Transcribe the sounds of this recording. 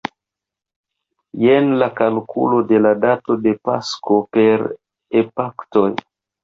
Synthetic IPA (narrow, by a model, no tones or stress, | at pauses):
jenlakalkʰṵlo̞de̞ladatode̞pa̰skope̞ɾ | epakto̞j